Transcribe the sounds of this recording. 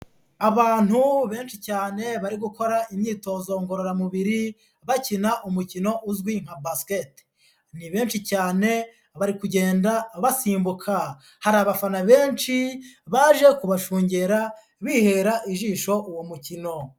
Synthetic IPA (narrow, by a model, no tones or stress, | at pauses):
aβaːn̥huβe̞ːnʃicaːne̞βaɾiɡuko̞ɾaʔimɲiːto̞ːzo̞ŋɡo̞ɾo̞ɾamuβiɾi | βacinaʔumucino̞ʔuzɡwiŋ̥habasket | niβe̞ːnʃicaːne̞ | βaɾikuɟe̞ːndaβasiːmbukʰa | haɾaːβafanaβe̞ːnʃiβaʒe̞kuβaʃuːɲɟeɾa | βiːhe̞ɾaʔiʒiːʃo̞ʔuwomucino̞